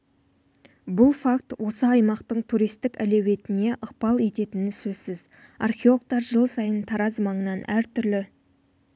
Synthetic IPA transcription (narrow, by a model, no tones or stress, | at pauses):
bʊlˠfak̚t̪wʔo̞səɑjmɑqt̪əɴt̪ʰuɾijst̪ɪkʲæle̞we̞t̪ɪne̞ʔəq̚pɑlˠe̞t̪e̞t̪ɪnɪsɵz̥sɪz | ɑrχʲeo̞l̚ˠt̪ɑɾʒəlˠsɑjənt̪ʰɑɾɑzmɑɴənɑnʔæɾt̪ʰʏɾlɪ